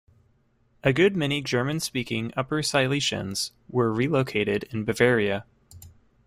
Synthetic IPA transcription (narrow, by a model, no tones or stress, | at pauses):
ʔɨɡʊd̚mɛñid͡ʒɜ˞mɨ̃nspikɪ̃ŋʌpə˞saɪlˠiʃɨ̰̃nz̥ | wə˞ɹiloʊkʰeɪɾɪɾɪ̃nbɨvɛɹiɨ